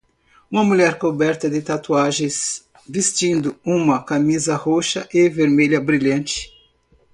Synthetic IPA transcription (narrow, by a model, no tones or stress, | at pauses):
ũmɐmuʎɛɾkobɛɾt̪ɐd̪ɪt̪at̪uaʒẽs | vist͡ʃĩnd̪ʊũmɐkamizɐhoʃɐʔeveɾmeʎɐbɾiʎɐ̃nt͡ʃɪ̥